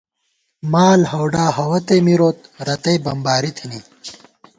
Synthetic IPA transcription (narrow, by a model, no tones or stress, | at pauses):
maːlhɐwɖaːɦɐwɐt̪emiɾoːt̪̚ɾɐt̪ɐjbɐmbaːɾit̪ʰini